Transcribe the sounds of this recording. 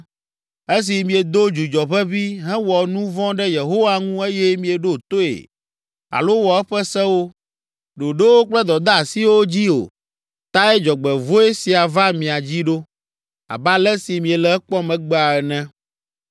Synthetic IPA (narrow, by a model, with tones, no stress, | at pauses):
e˦s̬i˨mĩ˨e˨d̪o˦d͡ʒu˨d͡ʒɔ˨ɸɛ˦vi˦ɦɛ̃˦wɔ˨nũ˦vɔ̃˦ɖɛ˦je˨ɦo˦wa˦ŋũ˦e˦jɛ˦mĩ˨e˨ɖo˦t̪o˦ḛ˨ | a̰˨lo˦wɔ˨ɛ˦ɸɛ˦sɛ̃˦wo˦ | ɖo˨ɖe˦wo˦k͡plɛ˦d̪ɔ˨d̪a˦˨si˦wo˦d͡ʑi˦o̰˨ | t̪a˦ɛ˦d͡ʒɔ˨ɡ͡bɛ˨vo˦e˦si˨a˨va˦mĩ˨a˨d͡ʑi˦ɖo˦ | a̰˨ba˦lɛ˦si˨mĩ˨ɛ˨lɛ˨ɛ˦k͡pɔ˦mɛ̃˨ɡ͡bɛ˦a˨ɛ˨nɛ̃˦